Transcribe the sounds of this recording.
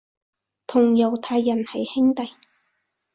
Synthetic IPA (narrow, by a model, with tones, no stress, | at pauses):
t̪ʰʊ˨˩ŋjɐ˨˩wt̪ʰaː˧jːɐ˨˩nhɐ˨jhɪ˥ŋt̪ɐ˨j